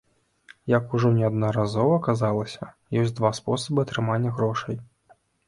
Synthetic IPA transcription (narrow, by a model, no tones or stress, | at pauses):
jakuʐɔnʲɛɐd̪nɐɾazɔvɐkazalˠɐsʲɐ | jɔsʲd̪vaspɔsɐbɨɐt̪ɾɨmanʲːɐɣɾɔʂɐj